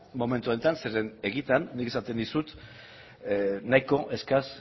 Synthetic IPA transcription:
mo̞me̞nt̪uont̪anse̞ɾe̞ne̞ɣit̪anːike̞sat̪e̞nd̪isut̪ | najko̞ʔe̞skas

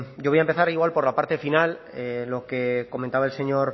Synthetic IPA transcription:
ɟ͡ʝojaempe̞θaɾiɣwalpo̞ɾlapaɾt̪e̞final | elo̞ke̞ko̞mẽnt̪aβaelse̞ɲo̞ɾ

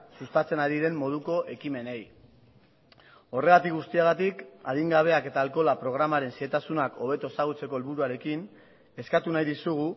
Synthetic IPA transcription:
sust̪at͡se̞naɾiɾe̞mːo̞ð̞uko̞ʔe̞kime̞ne̞j | o̞re̞ɣat̪ik̚ɣust̪iaɣ̞at̪ikaðiŋɡaβ̞e̞ake̞t̪aːlko̞lapɾo̞ɣ̞ɾamaɾe̞nsiet̪asunako̞βe̞t̪o̞saɣut͡se̞ko̞elβuɾuaɾe̞kin | e̞skat̪unajðisuɣu

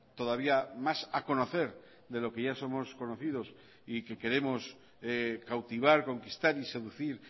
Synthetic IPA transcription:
t̪o̞ð̞aβ̞iamasako̞no̞θe̞ɾ | ðe̞lo̞ke̞ʝaso̞mo̞sko̞no̞θið̞o̞s | ike̞ke̞ɾe̞mo̞s | ekawt̪iβ̞aɾko̞ŋkist̪aɾise̞ðuθiɾ

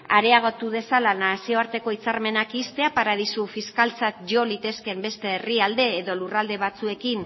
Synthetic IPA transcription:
aɾe̞aɣ̞o̞t̪uð̞e̞salanasio̞aɾt̪e̞ko̞it͡saɾme̞nakist̪e̞apaɾað̞isufiskalt͡sat̪ʝo̞lit̪e̞ske̞mbe̞st̪e̞ːriald̪e̞ːðo̞lurald̪e̞β̞at͡sue̞kin

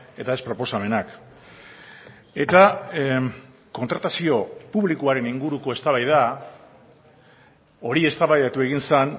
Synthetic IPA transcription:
e̞t̪ae̞spɾo̞po̞same̞nak | e̞t̪a | ko̞nt̪ɾat̪asio̞puβlikuaɾe̞niŋɡuɾuko̞e̞st̪aβajða | o̞ɾie̞st̪aβajðat̪ue̞ɣinsan

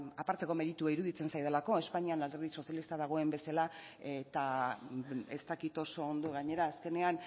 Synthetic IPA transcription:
apaɾt̪e̞ko̞me̞ɾit̪uaiɾuðit͡se̞nsajð̞elako̞e̞spaɲianald̪e̞ɾð̞iso̞sjalist̪aðaɣ̞o̞e̞mbe̞sala | et̪a | est̪akit̪o̞so̞ːnd̪o̞ɣaɲe̞ɾaːske̞ne̞an

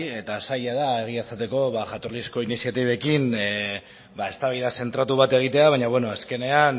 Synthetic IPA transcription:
e̞t̪asajaðae̞ɣ̞iasat̪e̞ko̞βaʝat̪o̞ɾlisko̞inisijat̪iβe̞kin | bae̞st̪aβajðase̞nt̪ɾat̪uβ̞at̪e̞ɣ̞it̪e̞aβaɲaβwe̞no̞aske̞ne̞an

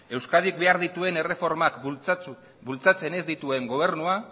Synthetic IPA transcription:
e̞wskað̞ik̚be̞aɾðit̪ue̞ne̞re̞fo̞ɾmakt͡s | bult͡sat͡se̞ne̞zd̪it̪ue̞ŋɡo̞β̞e̞ɾnua

